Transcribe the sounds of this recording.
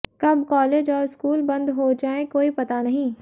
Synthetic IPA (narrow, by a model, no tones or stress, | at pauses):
kɐb̚kɔːleːd͡ʒɔːɾɪskuːlbɐ̃nd̪ɦod͡ʒaːẽkoːipɐt̪anɐɦĩː